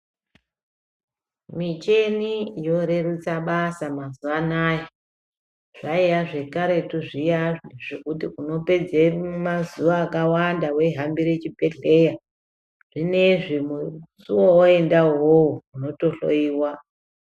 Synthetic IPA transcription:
mit͡ʃe̞nijo̞ɾe̞rut͡saɓasamazuʋanaje | ʐ̥aijaʐe̞kaɾe̞tuʐijaʐiʐokutiuno̞pe̞d͡zemazuʋaːkawandawe̞ɦambiɾet͡ʃipe̞ɬe̞ja | ʐ̥ine̞ʐimusuwooe̞ndaɦowuuno̞to̞ɬo̞̰iːwa

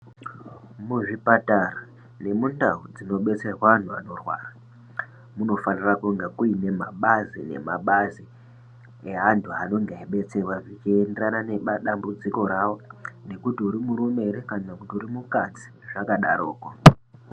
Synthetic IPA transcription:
muʐipatara | ne̞mundaud͡zino̞ɓe̞t͡se̞rwaʋan̤ua̰no̞rwa̰ːra | muno̞fanirakuŋɡakuine̞ma̰ɓazine̞̰maɓazi | eɦantʰuano̞ŋɡeiɓe̞t͡se̞rwaʐit͡ʃienderanane̞ɓaɗambud͡ziko̞ɾawo̞ne̞kutiuɾimuɾume̞ɾekanakutiuɾimukad͡zi̥ | ʐakaɗaɾoːka

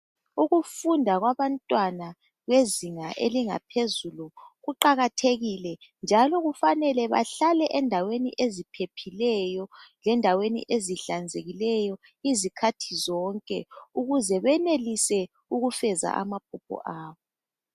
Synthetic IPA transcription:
uɣufundʱaɣwaβantʼwana | ɣweziŋaʔeliŋa̰pʰezuluɣuǃaɣatʰeɣilɛnd͡ʒʱalɔɣufanɛlɛβa̰ɬalɛʔɛndʱawenḭʔezipʰepʰilɛjɔlɛndʱawenḭʔeziɬand͡zʱeɣilɛjɔ | izikʰatʰizɔŋkʼɛ̰uɣuzɛβɛnelisɛ | uɣufɛza̰ʔa̰map̚ʰupʰɔ̰ʔaːβɔ

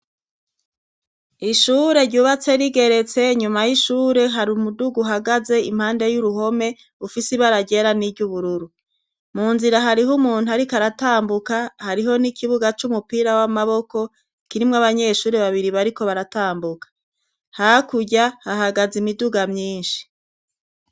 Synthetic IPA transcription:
iʃuːɾe̞ɾɟuːβat͡se̞ɾiɡe̞ɾe̞t͡se̞ɲumajiʃuːɾe̞ɦaɾumuduɡuɦaɡaze̞im̥haːnde̞juɾuɦo̞me̞ | ufisiβaɾaɟe̞ɾanivɟuβuɾuɾu | muːnziɾaɦaɾiɦumuːn̥huaɾikaɾataːmbukahaɾiɦo̞nikʰiβuɡat͡ʃumupiːɾawamaβo̞ko̞ | kiɾimŋaβaɲe̞ʃuːɾeβaβiɾiβaɾiko̞βaɾataːmbukḁ | hakuɟahaɦaɡazimiduɡamɲiːnʃi̥

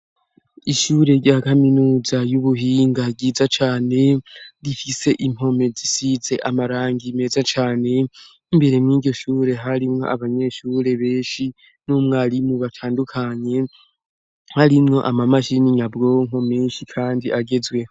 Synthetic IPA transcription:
iʃuːɾe̞ɾɟaːkaminuːzajuβuɦiːŋɡaɟiːzat͡ʃaːne̞ɾifise̞ʔim̥ho̞me̞zisize̞ʔamaɾaːŋɡime̞ːzat͡ʃaːne̞ | imbe̞ɾe̞mŋiːɟo̞ʃuːɾe̞ɦaɾimŋo̞̰ʔa̰βaɲe̞ʃuːɾe̞βe̞ːnʃi | numŋaɾimuβatʰaːndukʰaɲe̞ | haɾimŋo̞ʔamamaʃiniɲabɡoŋ̥o̞meːnʃikʰaːndiʔaɡe̞zwe̞

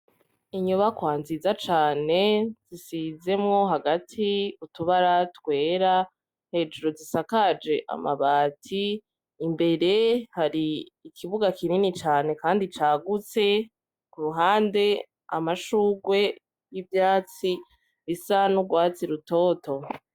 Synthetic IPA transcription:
iɲuβakwaːnzizat͡ʃaːne̞z̥isize̞mŋo̞ɦaɡatʰiutuβaɾatkwe̞ːɾa | he̞ːd͡ʒuɾo̞zisakad͡ʒe̞ʔa̰maβaːtʰiː | mbe̞ɾe̞haɾiːkʰiβuɡakininit͡ʃaːne̞kaːndit͡ʃaːɡut͡se̞ | kuɾuɦaːnde̞ | a̰maʃuːɡwe̞ | jibjaːt͡si | βisanuɡwaːt͡siɾuto̞ːto̞

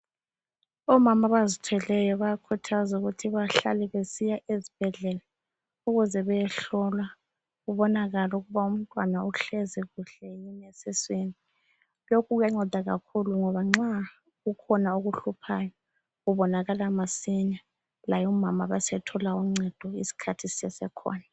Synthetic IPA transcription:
ɔmamaβazitʰwɛlɛjɔβakʰutʰazuɣutʰiβaɬa̰lɛβesijaʔezib̥ʱɛɮɛla | uɣuzɛβɛjɛɬɔlwa | ɣuβɔnaɣalɔuɣuβaum̩tʼwanauɬɛzɛɣuɬɛjinesɛsweni | lokʰuɣujaŋ͡ǀɔd̥ʱaɣa̰kʰuluŋɔβaŋ͡ǀa | ɣukʰɔnaoɣuɬupʰajɔ | ɣuβɔnaɣalamasiɲa | lajɔmamaβasɛtʰɔlauŋ͡ǀɛd̥ʱɔḭsi̥kʰatʰisɛsɛkʰɔ̰ːna

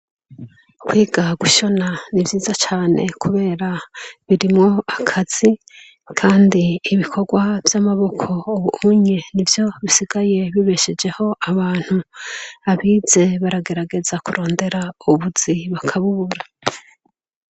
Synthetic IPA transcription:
kwiːɡaɡuʃo̞nanivjiːzat͡ʃaːne̞̰kʰuβe̞ːɾaβiɾimŋo̞akʰaz̥i | kʰaːndiːβikʰo̞ɡwavjamaβo̞kʰo̞ːβuuɲe̞nivjo̞βisiɡ̥aje̞βiβe̞ʃed͡ʒe̞ho̞ʔaβaːn̥huaβiːz̥e̞βaɾaɡe̞ɾaɡe̞zakuɾo̞ːnde̞ɾauβuz̥iβakʰaβuβuɾa

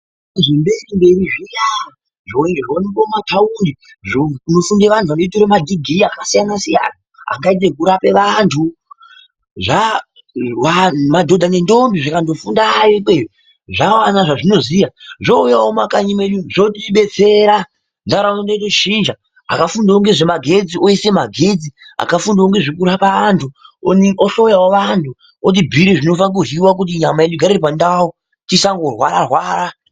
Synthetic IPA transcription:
eʐimbe̞rimbe̞riʐijaa | ʐoŋeʐonikomatʰaundi | ʐouno̞fundeʋantʰuʋanoitoɾemadʱiɡʱiiakasijanasija̰na | a̰ŋɡait̬e̞k̬uɾape̞ʋaːntʰu | ʐa | ʋamadʱo̞dʱane̞ndo̞mbiʐakando̞fundajokeri | ʐawanaʐaʐino̞zijaʐoujawomakaɲime̞ɗuʐotiɓe̞t͡se̞ɾa | ndaɾaŋundatoʃiːnd͡ʒa | a̰kafundaoŋɡe̞ʐemaɡʱe̞d͡ziʔoise̞maɡʱe̞d͡zia̰kafundaoŋɡe̞ʐikuɾapaantʰuonoɬoujawoʋantʰu | ot̬ibʱiɾiʐino̞fak̬uriwak̬ut̬iɲamaeɗuɡʱaɾiɾip̬andawo | tisaŋɡo̞rwaɾarwaːɾa

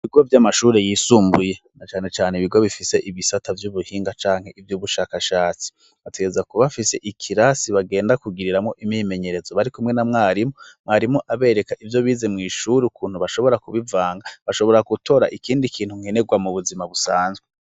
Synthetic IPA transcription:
iβiɡo̞vjamaʃuːɾe̞jiːsuːmbuje̞ | nat͡ʃaːne̞t͡ʃaːneiβiɡo̞βifise̞ʔiβisatavjuβuhiːŋɡat͡ʃaːŋ̥he̞ʔivjuːβuʃaːkaʃaːt͡si̥ | βate̞ɡe̞zakuβafise̞̰ʔikʰiɾasiβaɡe̞ːndakuɡiɾiɾamŋo̞ʔimime̞ɲe̞ɾe̞zo̞βaɾikumŋe̞namŋaːɾimomŋaːɾimoʔaβe̞ːɾe̞kaʔivjo̞βiːze̞mŋiːʃuɾiukuːnhuβaʃo̞βo̞ɾakuβivaːŋɡaβaʃo̞βo̞ɾakutʰo̞ːɾa̰ʔikiːndikʰiːn̥huŋ̥hene̞ɡwamuβuzimaβusaːnzɡwe

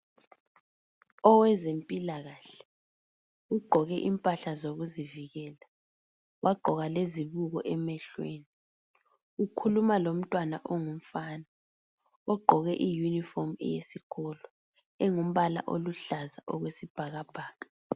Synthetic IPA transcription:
ɔwɛzempʼilaɣaɬɛ̥ | uɡ͡ǃʱɔɣɛʔimpʼaɬazoɣuziviɣɛːla | wʔaɡ͡ǃʱɔɣaleziβuɣɔʔɛmɛɬweni | ukʰulumalom̩tʼwana̰ʔɔŋum̩fana | ɔɡ͡ǃʱɔɣɛʔijunifɔmɛ̰jesiɣʰɔlɔ | ɛŋum̩βala̰ʔoluɬazaʔɔɣwesib̥ʱaɣab̥ʱaːɣa

